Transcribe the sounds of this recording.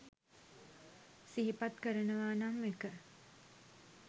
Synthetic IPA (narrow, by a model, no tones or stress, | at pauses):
siɦipat̪kəɾənəʋaːnamːekə